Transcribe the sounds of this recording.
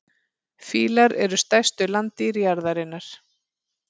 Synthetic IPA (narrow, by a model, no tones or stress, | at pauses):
fiːlaɾɛɾʏst̪ajst̪ʏlant̪iɾjaɾðaɾɪnːaɾ̥